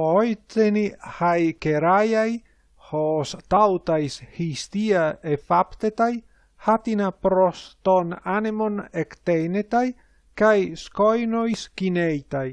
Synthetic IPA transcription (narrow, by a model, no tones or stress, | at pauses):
ojt͡senihajkeɾajaj | host̪awt̪ajshist̪iaefapt̪et̪aj | hat̪inapɾost̪onanemonekt̪enet̪aj | kajskojnojskinejt̪aj